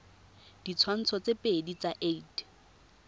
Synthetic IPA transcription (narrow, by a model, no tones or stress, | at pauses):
d̥it͡sʰwan̩t͡sʰɔt͡sepʼedit͡saʔeit